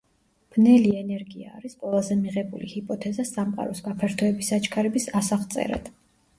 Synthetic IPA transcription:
b̥nɛliɛnɛɾɡiaːɾisqʼwɛlˠazɛmiʁɛbulḭhipʼɔt̪ʰɛzasamqʼa̰ɾɔsɡapʰɛɾt̪ʰɔɛbisat͡ʃʰkʰaɾɛbisasaχt̪sʼɛ̰ɾa̰d̪̥

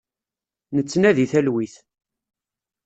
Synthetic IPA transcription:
nət͡sːnæðiθælwiθ

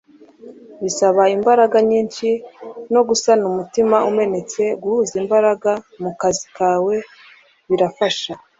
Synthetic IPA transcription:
βisaβaimbaɾaɡaɲiːnʃino̞ɡusanumutimaume̞ne̞t͡se̞ɡuhuzimbaɾaɡa | mukazikaːwe̞ | βiɾafaʃa

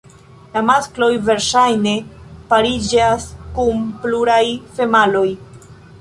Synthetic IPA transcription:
lamasklo̞jve̞ɾʃajne̞paɾid͡ʒaskumpluɾajfe̞malo̞j

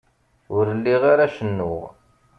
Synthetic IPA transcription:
ʊɾəlːiʁaɾaʃənːʊʁ

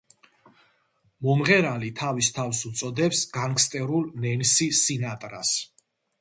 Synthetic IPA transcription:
mɔmʁɛɾalit̪ʰavist̪ʰafsut̪sʼɔd̪ɛpsɡaŋkʰst̪ʼɛɾulnɛnsisinat̪ʼɾa̰s

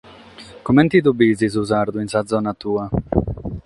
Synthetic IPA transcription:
komɛnt̪id̪obiːzizuzaɾd̪uinsad̪zɔːnat̪uːa

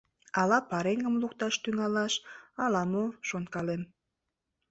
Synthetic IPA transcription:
ɑlɑpɑɾeŋɡəmlukt̪ɑʃt̪yŋɑlɑʃɑlɑmoʃont̪kɑlem

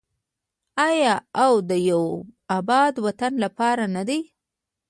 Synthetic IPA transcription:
ɑjɑawd̪əjawabɑd̪wat̪anlapɑɾanad̪ej

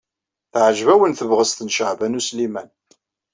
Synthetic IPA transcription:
θʕʒvæwənθəvʁəst̪ənʃəʕvænuslimæn

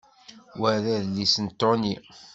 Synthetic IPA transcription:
wæðæðlːisənt̪ːoni

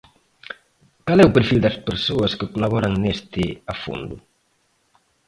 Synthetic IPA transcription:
kalɛupeɾfild̪ɐspeɾsoɐskəkolaβɔɾɐŋnest̪ɪafo̰nd̪ʊ

